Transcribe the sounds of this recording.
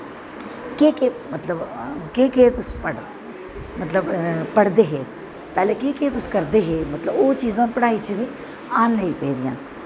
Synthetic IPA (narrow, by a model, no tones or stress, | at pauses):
keːkemɐt̪ləbkeːkeːt̪ʊspəɽ | mɐt̪ləbpɐɽd̪eɦeː | pɛːlekeːkeːt̪ʊskɐɾd̪eɦeːmɐt̪ləboːt͡ʃiːzãpɐɽaːit͡ʃʰibi | aːnːeipeːd̪ijã̰ːn